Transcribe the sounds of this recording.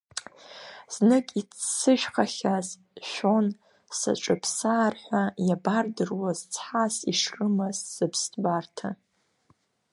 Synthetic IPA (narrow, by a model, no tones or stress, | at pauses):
z̥nɨkʼit͡ssɨʃᶣχaχʲaz | ʃʷᶣon | sa̰ʈ͡ʂʼɨpʰsaːrħʷajabardɨrwazt͡sʰħasiʂrɨmazz̥ɨpʰstʰʼbartʰa